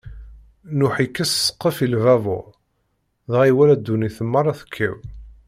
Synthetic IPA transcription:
nʊħikːæssə̥qːəfilvævʊ̰ | ðʁiwælæd̪ːuniθəmːəɾˤæθə̥kʰːḭw

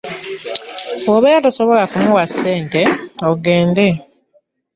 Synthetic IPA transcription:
oβejatoso̞βolakumuwasːe̞ːnte̞oɡe̞ːnde

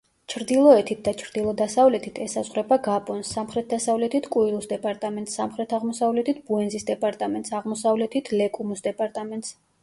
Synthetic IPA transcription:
t͡ʃʰɾd̪ilˠɔɛt̪ʰit̪̚ʰd̪at͡ʃʰɾd̪ilˠɔd̪asavlɛt̪ʰit̪ʰɛsazʁɾɛbaɡapʼɔnsːamχɾɛt̪̚d̪asavlɛt̪ʰit̪ʰkʼuilˠusd̪ɛpʼaɾt̪ʼamɛnt̪samχɾɛt̪ʰaʁmɔsavlɛt̪ʰit̪̚ʰbuɛnzisd̪ɛpʼaɾt̪ʼamɛnt̪saʁmɔsavlɛt̪ʰit̪ʰlɛkʼumusd̪ɛpʼaɾt̪ʼamɛnt̪ʼs

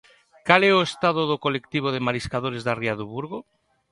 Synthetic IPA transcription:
kalɛoest̪aðoðokolekt̪iβ̞oðemaɾiskaðoɾezðariaðuβuɾɣ̞o

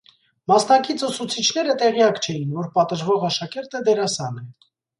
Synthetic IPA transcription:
mɑsnɑkit͡sʰusut͡sʰit͡ʃʰnɛɾət̪ɛʁjɑkt͡ʃʰɛjinvɔɾpɑt̪əʒvɔʁɑʃɑkɛɾt̪əd̪ɛɾɑsɑnɛ

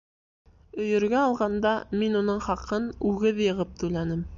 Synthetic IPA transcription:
ɵ̆jɵ̆ɾɡæɑlˠʁɑnd̪ɑminunɤɴχɑqɤnʉɡɘðjɤ̆ʁɤp̚t̪ʉlænɘm

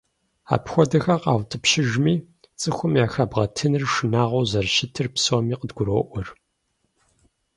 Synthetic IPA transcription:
a̰ːpxʷɔdɐxɐqɑ̰ːwtʰɨpʃɪʒmiː | t͡sʼɨxʷʊmjaːxɐbʁɐtʰɨnɨrʂɨnaːʁʷowzɐrʃɪtʰɨrpsowmiːqʼədɡʷʊɾoːʔʷɔr

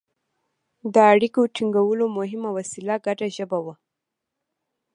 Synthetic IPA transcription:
d̪əaɽikoʈiŋɡawəlomʊɦɪmawasilaɡaʈaʒəbawa

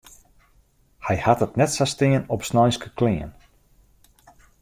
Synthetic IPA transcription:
hɛjhatətnɛtsastɪənɔpsnɔjnskəklɪən

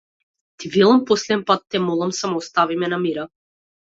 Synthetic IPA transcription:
t̪ivɛlˠampɔslɛɛnpat̪ːɛmɔlˠamsamɔːst̪avimɛnamiɾa

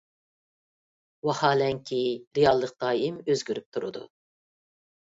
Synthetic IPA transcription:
wɑχɑːlɛŋkʲʰiɾejɑlˠːəq̚d̪̥ɑːimøzɡʲyɾyp̚t̪ʰuɾṵd̪ṵ

